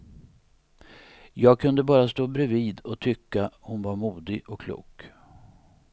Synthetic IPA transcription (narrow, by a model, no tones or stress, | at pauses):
jɑːɡ̚kʰɵnd̪əbɑːɾast̪oːbɾɛviːd̪ɔt̪ʰʏkːahʊnvaɾmuːd̪ɪɡɔkʰːlṵːk